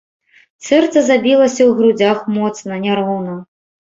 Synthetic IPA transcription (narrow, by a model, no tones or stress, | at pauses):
sɛrt̪sɐzabʲilˠɐsʲɐwɣɾud͡zʲaxmɔt̪snɐnʲaɾɦɔwnɐ